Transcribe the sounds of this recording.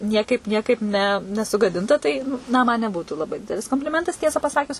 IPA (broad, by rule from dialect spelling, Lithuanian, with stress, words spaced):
ˈnʲiɛkɐɪp ˈnʲiɛkɐɪp nʲɛ nʲɛsʊɡɐˈdʲɪntɐ ˈtɐɪ nɐ ˈmɐn nʲɛˈbuːtuː lˠɐˈbɐɪ ˈdʲɪdʲɛlʲɪs koːmʲpʲlʲɪˈmʲɛntɐs ˈtʲiɛsɑː pɐˈsɑːkʲʊs